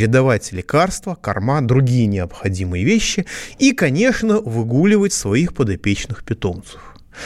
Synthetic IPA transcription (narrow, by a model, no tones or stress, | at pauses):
ɾʲɪd̪ɐvatʲlʲɪkarst̪vəkɐ̰rmad̪ɾʊɡʲijənʲɪɐpxɐdʲimɨjəvʲeɕːɪikɐnʲe̞ʂnəvɨɡulʲɪvətʲsvɐixpəd̪ɐpʲet͡ɕnɨxpʲɪt̪o̞mt̪sə̥f